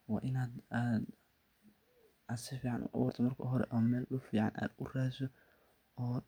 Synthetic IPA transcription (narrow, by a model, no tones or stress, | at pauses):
wɑːʔɪnaːd̪aːd̪ | ʔaːd̪sɪfiːʕanʔʊ̰ʔa̰wʊrt̪ʰɔmɐrkʰɔ̰ɦɔɾɛ̰ʔɔːmɛːlʔlʊfiːʕɑ̰nʔa̰ːd̪ʊraːsɔ | ɔː